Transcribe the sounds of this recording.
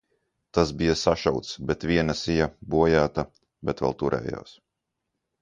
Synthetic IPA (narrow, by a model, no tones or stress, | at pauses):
t̪asbijasaʃawt̪sbɛt̪vʲiɛnasijabuɔjaːt̪a | bɛt̪vɛ̰lˠt̪uɾʔɛ̰ːja̰ːs